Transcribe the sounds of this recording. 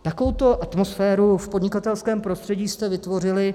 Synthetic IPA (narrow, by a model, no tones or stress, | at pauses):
t̪akovowt̪o̞ʔat̪mo̞sfɛːɾufpo̞dɲɪkat̪ɛlskɛːmpɾost̪r̥ɛɟiːst̪ɛvɪt̪vo̞r̝ɪlɪ